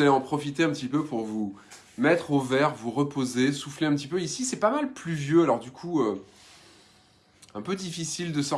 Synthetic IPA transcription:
aleɑ̃pχɔfit̪eɛ̃pət̪ipøpuʁvu | mɛt̪χovɛʁvuʁəpozesufleɛ̃pət̪ipøisisɛpamalplyvjøalɔʁd̪ykʰuø | ɛ̃pød̪ifisild̪əsɔ

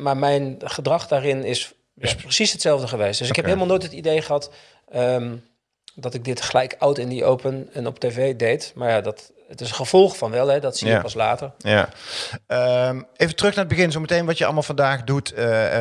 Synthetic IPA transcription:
maːɹmɛjnχədrɑχdaːrɪnɪs | prəsisətsɛlˠvdəχəʋejstdɵsɪkɦɛpɦeɪlˠmalˠnoːjtətidejχəɦɑt | əm | dɑtɪɡ̚dɪtχəlɛjkʌwtɪndiʔowpənɛnɔpteːvejdejtmaːɹjadɑt | ətɪsəχəv̥ɔlˠχfɑnʋɛlˠɦɛdɑtsipɑsla̰ːtəɹa | əejvətrɵxnaːəd̚bəɣɪnzowmətejnʋɑtjəɑ̰lˠmaːlˠv̥ɑndaːχdut

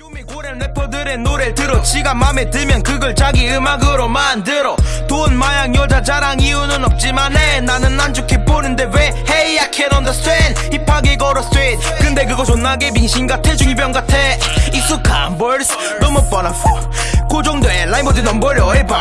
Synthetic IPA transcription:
jumikoɾenepʰʌdɯɾe̞noɾetɯɾʌɕʰiɡamame̞tɯmjʌnkɯɡɯɭt͡ɕaɡiɯmaɡɯɾomandɯɾʌtonmajaŋjʌd͡ʑad͡ʑaɾaŋiunɯnʌp̚t͡ɕ͈imanenanɯnːand͡ʑokʰeponɯnde̞weheijakʰenʌndas͈wen | ipʰaɡeɡʌɾʌs͈wenkɯnde̞k̬ɯɡʌt͡ɕonːaɡemiŋɕʰinɡatʰet͡ɕuɭbjʌŋɡatʰeis͈ʰukʰambʌɭs͈ | nʌmʌp͈ʌnafo | kod͡ʑʌŋdoelaimbʌdɯnʌmbʌɾjʌepa

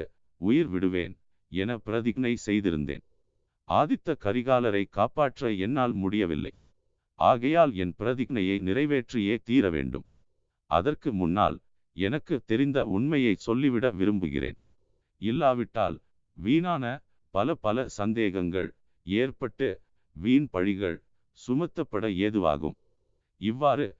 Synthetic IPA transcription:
ʊjɪɾʋɪɽɯʋḛːn | ɛnɐpɪɾɐðɪɣnɐɪsɛjðɪɾɯ̰nd̪ḛːn | ʔa̰ːðɪt̪ːɐkɐɾɪɣaːlɐɾɐɪkaːpaːʈrɐɛnːaːlmʊɽɪjɐʋɪ̰lːɐ̰ɪ | ʔaːɣɐjaːlɛnpɪɾɐðɪɣɐnɐjɐɪnɪɾɐɪʋeːʈrɪjeːt̪iːɾɐʋḛːɳɖɯ̰m | ʔɐ̰ðɐrkɯmʊnːa̰ːl | ɛnɐkːɯt̪ːɛɾɪnd̪ɐʊɳmɐjɐɪsɔlːɪʋɪɽɐʋɪɾɯmbɯ̰ɣɪ̰ɾḛːn | ɪlːaːʋɪʈːa̰ːl | ʋiːnaːnɐ | pɐlɐpɐlɐsɐnd̪eːɣɐŋɡɐ̰ɭ | eːrpɐʈːɯ | ʋiːnpɐɻɪɣɐ̰ɭ | sʊmɐt̪ːɐpːɐɽɐeːðɯʋa̰ːɣɯ̰m | ɪʋːaːɾɯ

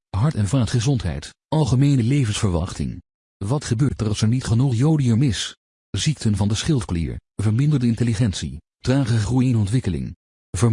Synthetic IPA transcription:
ɦɑɹtɛnvaːtχəzɔntɦɛ̰jt | ɑlˠχəmejnəlejvənsfəɹʋɑ̰χtɪ̰ŋ | ʋɑtχəbøːɹtərɑsɛɹnitχənuχjowdiəmɪs | zik̚tʰənvɑndəsχɪlˠtklḭːɹ | vəɹmɪndəɹdəɪnteliχɛntsi | traːχəχrujnɔntʋɪkəlɪ̰ŋ | və

